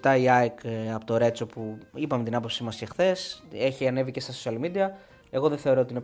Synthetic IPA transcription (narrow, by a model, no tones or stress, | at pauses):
t̪ɐiɐjkɐpot̪oɾe̞t͡so̞puipɐmet̪inɐpo̞psimɐscexθe̞se̞çiɐne̞vice̞st̪ɐsosiɐlmid̪iɐ | e̞ɣo̞ðeθe̞o̞ɾoot̪ine